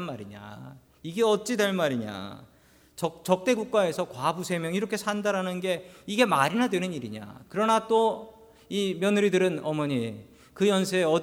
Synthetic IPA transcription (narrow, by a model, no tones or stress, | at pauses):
nmaɾiɲa̰ | iɡe̞ʌt̚t͡ɕ͈idwe̞ɭmaɾiɲa̰ | t͡ɕʌt͡ɕʌk̚t͈e̞ɡuk̚k͈ae̞sʰʌkwabusʰemjʌŋiɾʌkʰe̞sʰandaɾanɯnɡe̞iɡe̞maɾinadwe̞nɯniɾiɲa̰kɯɾʌnat͈o | imjʌnɯɾidɯɾɯnʌmʌɲi | kɯjʌnsʰeeʌ